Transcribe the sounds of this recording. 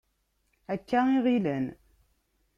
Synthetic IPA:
ækːæiʁilən

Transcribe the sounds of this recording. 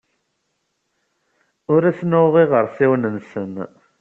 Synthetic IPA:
ʊɾæsnʊʁiʁəɾˤsiwnənsən

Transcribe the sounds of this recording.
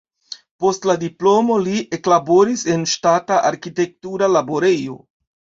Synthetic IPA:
po̞stladiplo̞mo̞liʔeklabo̞ɾise̞nʃtataʔaɾkite̞k̚tuɾalabo̞ɾe̞jo̞̰

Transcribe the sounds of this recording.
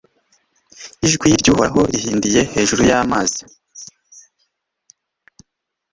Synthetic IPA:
iʒɡwiɾɟuːhoaɦo̞ihiːndije̞he̞ːʒuɾujaːmaːzi̥

